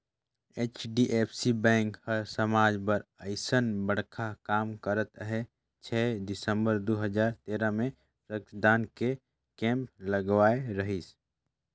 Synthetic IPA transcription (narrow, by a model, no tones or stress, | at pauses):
eːt͡ʃɖiʔeːpʰsibɛ̃ːŋkhəɾsəmaːd͡ʒbəɾəɪsənbəɽ̤kʰakaːmkəɾət̪ɦɛ | t͡ʃʰɛːd̪ɪsə̃mbəɾd̪oɦəd͡ʒaːɾt̪eːɾəmẽ | pɾəkd̪aːnke | kɛ̃ːmp̚ləɡwaːeɾəɦis